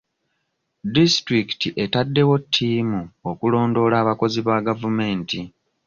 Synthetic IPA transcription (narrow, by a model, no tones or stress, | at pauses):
distɾiki̥tiʔe̞tadːe̞wo̞tʰːiːmuokulo̞ːndo̞laːβako̞ziβaɡavume̞ːnti